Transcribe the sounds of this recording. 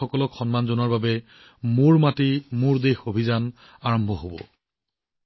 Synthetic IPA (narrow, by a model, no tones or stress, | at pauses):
ɔkɔlɔkxɔnmanzonɔɹbabɛ | mʊɹmatimʊɹdexobʱizan | aɹɔmbʱɔɦobɔ̰